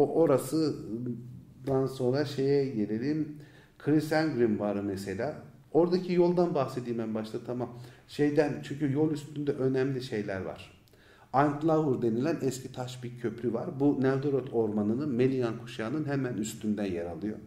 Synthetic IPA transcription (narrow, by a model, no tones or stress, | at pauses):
oʔo̞ɾasɯ | d̪anso̞nɾaʃe̞jɛɟe̞lʲelʲim | kʰɾisænɡɾimvaɾɯmese̞lʲaː | o̞ɾd̪acʰijo̞lˠd̪anbaxsed̪iːmæmnbaʃt̪ʰat̪ʰamamʃejd̪ænt͡ʃʰyɲcyjo̞lˠyst̪ʰynd̪ɛʔø̞næmlʲiʃe̞jlʲæɾva̰ɾ̥ | ant̪lˠavuɾd̪e̞nilʲænɛscʰit̪ʰaʃbiɾcʰø̞pʰɾʲyvaɾbunæld̪oɾot̪ʰo̞ɾmanɯnɯnme̞lʲijankʰu̥ʃaːnɯnɦemænyst̪ʰynd̪ænjaɾa̰lˠɯjo̰